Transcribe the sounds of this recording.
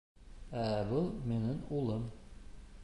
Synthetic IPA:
æbɤlˠmenɘŋulˠɤm

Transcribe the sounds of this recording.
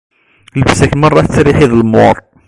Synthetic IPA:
ləbsækmɑrˤːɑt͡sːɾiħiðəlmʊɾˤ

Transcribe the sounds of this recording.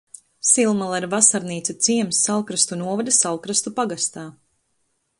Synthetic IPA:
silˠmalˠaiɾvasaɾniːt̪sat̪siɛmsːalˠkɾast̪unuɔvad̪asalˠkɾast̪upaɡast̪aː

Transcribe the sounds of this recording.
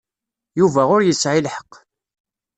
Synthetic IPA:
juvæʁʊɾjəsʕilħə̥qː

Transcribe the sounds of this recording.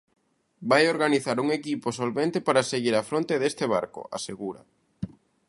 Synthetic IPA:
bajoɾɣaniθaɾuŋekiposolβent̪epaɾaseɣiɾafɾõnt̪eðest̪ɪβ̞a̰ɾko̰a̰seɣuɾa̰

